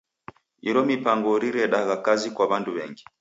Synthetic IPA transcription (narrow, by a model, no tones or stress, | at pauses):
iɾɔmipaŋɡɔɾiɾɛɗaɣakazikwaβanduβɛ̰ŋɡi